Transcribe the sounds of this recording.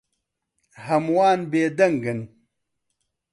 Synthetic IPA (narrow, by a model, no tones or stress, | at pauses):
hɐmwaːnbeːd̪ɐŋɡɐn